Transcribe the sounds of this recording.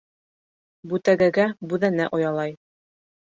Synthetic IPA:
bʉt̪æɡæɡæbʉðænæʔŏjɑlˠɑj

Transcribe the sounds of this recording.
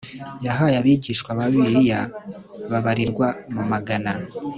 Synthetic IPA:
jaɦajaβiɟiːʃkwaβaβiɾija | βaβaɾiɾɡwamumaɡana

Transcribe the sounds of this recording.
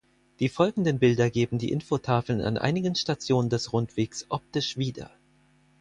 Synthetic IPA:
d̥iːfɔlɡŋ̩dənbɪldɐɡeːbm̩diːʔɪnfotʰaːfl̩na̰nʔa̰ɪnɪɡənʃtat͡sjoːnəndɛsʁʊntv̥eːksʔɔp̚tɪʃv̥iːdɐ̰

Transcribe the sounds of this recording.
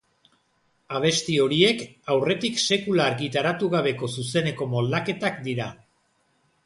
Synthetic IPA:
aβ̞e̞st̪io̞ɾie̞kawre̞t̪ikse̞kulaɾɣit̪aɾat̪uɣaβ̞e̞ko̞suse̞ne̞ko̞mo̞ld̪ake̞t̪akd̪iɾa

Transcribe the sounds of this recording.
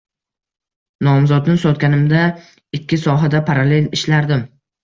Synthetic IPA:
nɒmzɒd̪nɪsɒt̪̚ɡʲanɪmd̪a | ɪkʲʰːɪsɒɦad̪apʰaɾale̞lɪʃlaɾd̪ɪm

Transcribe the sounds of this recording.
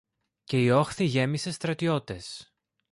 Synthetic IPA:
ce̞io̞xθiʝe̞mise̞st̪ɾɐt̪io̞t̪e̞s

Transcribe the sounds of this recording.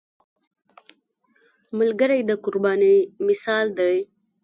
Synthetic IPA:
malɡəɾajd̪əkʊɾbɑnimɪsɑld̪aj

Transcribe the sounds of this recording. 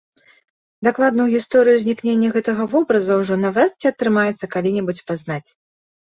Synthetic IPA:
d̪aklˠad̪nɐwɣʲist̪ɔɾɨjuzʲnʲiknʲenʲːɐɣɛt̪ɐɣɐvɔbɾɐzɐwʐunɐvat̪t͡sʲiɐt̪ːɾɨmajɛt̪sːɐkalʲinʲɛbut͡sʲpaznat͡sʲ

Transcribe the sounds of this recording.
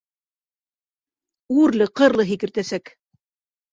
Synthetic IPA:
ʉɾlɘqɤ̆ɾlˠɤɦikɘ̆ɾt̪æsæk

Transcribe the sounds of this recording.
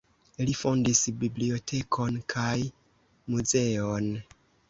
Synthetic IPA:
lifo̞ndisbiblio̞tʰe̞kʰo̞nkʰaj | muze̞on

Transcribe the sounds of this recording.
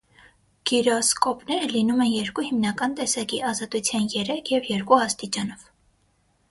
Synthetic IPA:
ɡ̥iɾɔskɔpnɛɾəlinumɛnjɛɾkuhimnɑkɑnt̪ɛsɑkiɑzɑt̪ut͡sʰjɑnjɛɾɛkʰjɛvjɛɾkuɑst̪it͡ʃɑnɔv̥

